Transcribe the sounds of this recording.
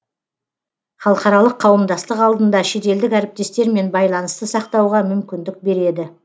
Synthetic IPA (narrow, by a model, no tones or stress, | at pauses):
χɑlˠəqɑɾɑlˠəqʰːɑwəmd̪ɑst̪əqɑlˠd̪ənd̪ɑʃe̞t̪e̞ld̪ɪkæɾɪp̚t̪e̞st̪e̞ɾme̞nbɑjlˠɑnəst̪əsɑqt̪ɑwʁɑmʏmkʲɪnd̪ɪk̚be̞ɾe̞d̪ɪ